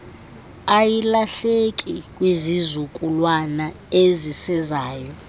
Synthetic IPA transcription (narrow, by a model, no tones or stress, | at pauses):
ajilaɬekʼikʼwizizukʼulwana | ezisɛzaːjɔ